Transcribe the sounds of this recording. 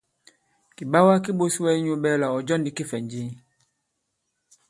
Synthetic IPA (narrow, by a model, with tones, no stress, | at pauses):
ki˨ba˦wa˦ki˦bo˦si˦wɛ˦ɲo˦bɛ˦la˨ɔ˨d͡ʒɔ˦n˦di˨ki˦fɛ˨n˦d͡ʒi˦˨